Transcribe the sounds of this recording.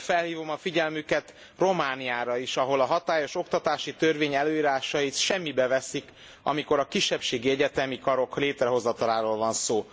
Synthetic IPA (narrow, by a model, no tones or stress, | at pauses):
fɛlhiːvo̞mɒfiɟɛlmykɛt̪ | ro̞maːniaːɾɒiʃɒɦo̞lɒɦɒt̪aːjo̞ʃo̞kt̪ɒt̪aːʃit̪ø̞rveːɲɛløːiːɾaːʃɒjit̪ʃɛmːibɛvɛsik | ɒ̰miko̞ɾɒkiʃːɛpʃeːɡiɛɟɛt̪ɛmikɒɾo̞kleːt̪ɾɛɦo̞zːɒt̪ɒlaːɾoːlvɒnsoː